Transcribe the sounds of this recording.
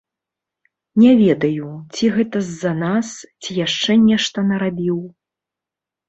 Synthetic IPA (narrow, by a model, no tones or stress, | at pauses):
nʲɛvʲɛd̪ɐjut͡sʲiɣɛt̪ɐzːɐnast͡sʲijaʂt͡ʂɛnʲɛʂt̪ɐnɐɾabʲiw